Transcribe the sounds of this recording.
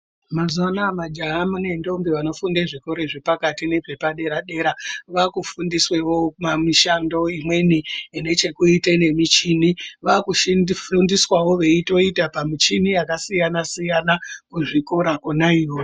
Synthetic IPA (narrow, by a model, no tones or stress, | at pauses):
mazanamad͡ʒaɦamune̞ndo̞mbiʋano̞fundeʐikoɾeʐepakatine̞pe̞paɗe̞ɾaɗe̞ɾaʋakufundiswewo̞mamiʃando̞imwe̞niine̞t͡ʃekuitene̞mit͡ʃiniʋakuʃifundiswawo̞ʋe̞ito̞itapamit͡ʃinijakasijanasijanakuʐikoɾakunaiwo